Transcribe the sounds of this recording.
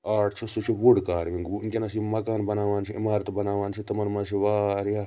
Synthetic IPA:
aːʈt͡ʃʰosut͡ʃʰiʋuɖkaːɾʋiŋɡnkʲenasimɐkaːnbɐnaːʋaːnsʰiimaːɾət̪bɐnaːʋaːnt͡ʃʰit̪ɐmɐnmasiʋaːɾjaː

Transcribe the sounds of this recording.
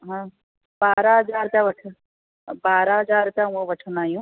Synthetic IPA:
ɦãː | baːɾaɦɐd͡ʒaːɾt̪ãʋɐʈʰ | baːɾaɦɐd͡ʒaːɾt̪jãũɐ̃ʋɐʈʰənaːjũː

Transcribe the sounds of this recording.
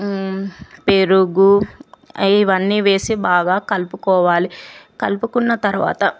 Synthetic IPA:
peɾuɡu | iʋɐnːiːʋe̞ːsibaːɡaːkɐlpukɔːʋaːlikɐlpukunːɐt̪ɐɾuʋa̰ːt̪ɐ

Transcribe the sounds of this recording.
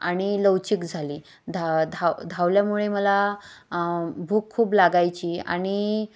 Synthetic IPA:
aɽ̃iləwt͡ɕikd͡zʱaliː | d̪ʱad̪ʱad̪ʱawljamuɭeməla | bʱuːkʰːuːplaɡajt͡ɕiːa̰ɽ̃i

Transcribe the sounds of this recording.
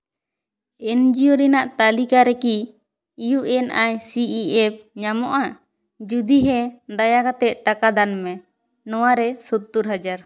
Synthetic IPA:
ɛnd͡ʒijoɾɛnaʔt̪alikaɾɛkiː | juʔɛnajsiiɛp̚ɲamɔʔa | d͡ʒud̪iɦɛd̪ajakat̪ɛt̪̚ʈakad̪anmɛ | nɔwaɾɛsɔt̪ːuɾɦad͡ʒaɾ

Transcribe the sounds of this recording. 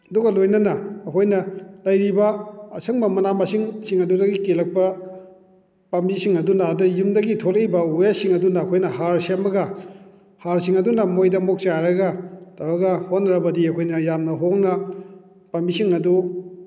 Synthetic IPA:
ɐduɡɐlojnɐnɐːkʰojnɐlɐjɾibɐɐsɐŋmɐmɐnamɐsiŋsiŋɐdudɐɡikelɐk̚pɐ | pɐmbisiŋɐdunadɐjumdɐɡitʰolejbɐujasiŋɐdunɐːkʰojnɐhaɾsembɐɡɐ | haɾsiŋɐdunɐmojdɐmok̚t͡ʃaɾɐɡɐtaɾɐɡɐhonɾɐbɐdiɐkʰojnɐjamnɐɦoŋnɐ | pɐmbisiŋɐdu

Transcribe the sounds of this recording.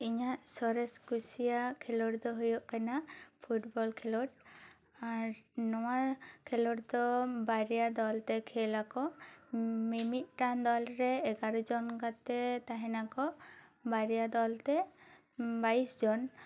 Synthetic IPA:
iɲaʔsɔɾɛskusijakʰɛlɔɾd̪ɔɦujɔʔkanapʰuʈbɔlkʰɛlɔʈ | aɾnɔwakʰɛlɔɾd̪ɔbaɾijad̪ɔlt̪ɛkʰɛlakɔ | mimit̪̚ˀʈand̪ɔlɾɛːɡaɾɔd͡ʒɔnkat̪ɛt̪aɦɛ̃nakɔbaɾijad̪ɔlt̪ɛ | baisd͡ʒɔn

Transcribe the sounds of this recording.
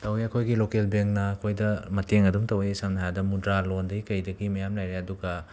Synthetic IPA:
tɐwijɐkʰojɡilokelbeŋnɐːkʰojdɐmɐteŋɐduŋtɐwjsɐmnaɦadɐmudɾalondɐɡikɐjdɐɡimɐjamlajɾeɐduɡɐ

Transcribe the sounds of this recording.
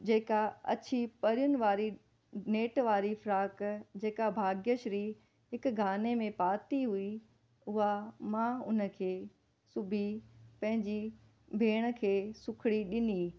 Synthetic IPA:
d͡ʑeːkaɐ̰t͡ɕʰipɐɾijʊnɪ̆ʋaːɾi | neːʈʋaːɾifɾaːkd͡ʑeːkabʱaːɡjəʃɾi | ɦɪkɡʱaːnemẽpaːt̪iɦui | ʊɦamãʊnə̆kʰeː | sʊbʱipɐ̃ɦɪ̃ɲd͡ʑi | bʱeːɽ̃ə̆kʰeːsʊkʰɪɽiɗɪni

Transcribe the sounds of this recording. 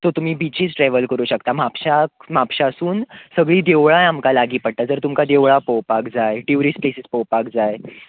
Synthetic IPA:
t̪ot̪um̤iːbit͡ɕiːt͡sʈɾɛʋəlkəɾuːɕəkt̪amapɕakmapɕasuːnsəɡɭiːd̪eʋɭajamkalaɡiːpəɽt̪ad͡zəɾt̪umkad̪eʋɭapowpakd͡zajʈiʋɾiːsplesispowpakd͡zaj

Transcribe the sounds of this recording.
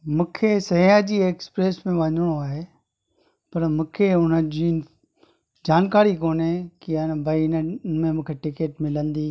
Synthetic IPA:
mũːkʰesɐiad͡ʑiːeːkspɾeːsmẽʋɐɲɽ̃oaːɦeː | pɐɾmũːkʰeʊn̤əd͡ʑiː | d͡ʑaːnkaːɾikoːnekianbʱɐiɪnəmẽmũːkʰeʈɪkeːʈmɪlə̃nd̪iː

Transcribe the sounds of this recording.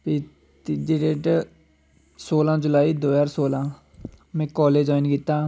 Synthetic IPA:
piː | d̪ɪʈeːʈ | soːlãːd͡ʒʊlaːiːd̪oːaːɾsoːlãː | mɛ̃ːkɔːleːd͡ʒɔːɪnkɪt̪ːaː

